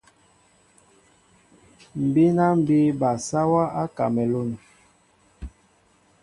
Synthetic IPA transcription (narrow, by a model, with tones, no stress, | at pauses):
m̩˨bi˦na˦m̩˨bi˦ba˨sa˦wa˦a˦ka̰˨mɛ˨lo˦˨n˨